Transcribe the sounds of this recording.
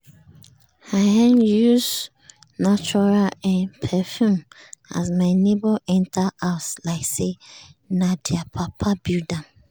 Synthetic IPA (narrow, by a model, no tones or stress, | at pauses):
haɛ̃njuz | nat͡ʃuɹalɛ̃npʰɛfjũma̰zmaɪneboɛ̃ntʰaaʊslaɪksenadɛapʰapʰabidãm